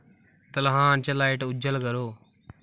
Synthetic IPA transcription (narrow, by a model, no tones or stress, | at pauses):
t̪ɐlɦãːnt͡ʃɐlaːeːʈɐʊd͡ʒəlɡəɾoː